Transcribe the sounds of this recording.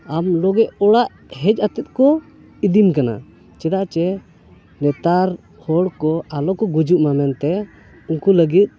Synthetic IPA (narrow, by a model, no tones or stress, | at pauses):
amlɔɡɛʔɔɽaʔ | ɦɛd͡ʒat̪it̪̚ˀkɔ | id̪imkana̰ | t͡ʃɛɽaʔt͡ʃɛ | nɛt̪aɾ | hɔɽkɔalɔkɔɡud͡ʒuʔmamɛnt̪ɛ | uŋkuləɡit̪̚ˀ